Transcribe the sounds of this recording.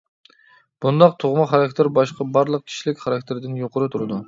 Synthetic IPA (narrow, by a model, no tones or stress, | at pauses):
b̥und̪ɑq̚t̪ʰoʁmɑχɑɾɑkʲt̪ʰeɾbɑʃqɑbɑɾlˠəq̚t͡ʃ̪ʰi̥ʃlɪkʲχɑɾɑkʲt̪ʰeɾd̪ɪnjoqʰʊɾɨt̪ʰuɾɨd̪u